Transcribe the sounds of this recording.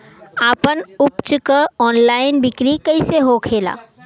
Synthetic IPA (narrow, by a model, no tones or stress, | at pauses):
aːpənʊpt͡ʃkəɔːnlaːɪnbɪkɾikəɪseɦokʰeːla̰ː